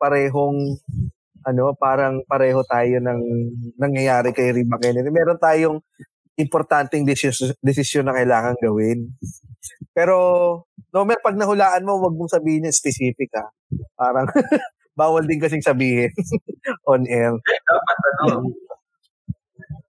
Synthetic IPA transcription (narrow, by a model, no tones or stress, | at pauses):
pɐɾɛːɦo̞ŋ | ʔɐno̞paːɾɐŋpɐɾɛːho̞t̪aːjo̞nɐŋnɐŋjɐjaːɾɪkɐjɾibɐkɛnɪt̪ɪmɛːɾont̪aːjoŋ | ʔɪmpoɾt̪ant̪ɛŋd̪ɪd̪ɛs̬ɪsjonːɐkɐjlaːŋɐŋɡɐwɪn | pɛːɾo̞nomɛɾpɐɡ̚nɐhʊlaːʔɐnmo̞wɐɡ̚moŋsɐbiːhɪnɲːɐɪspɛsiːfɪkɐ | paːɾɐŋ | baːwɐld̪ɪnkɐs̬ɪŋsɐbiːhɪnʔonʔɛɾd̪apɐt̪̚ːɐno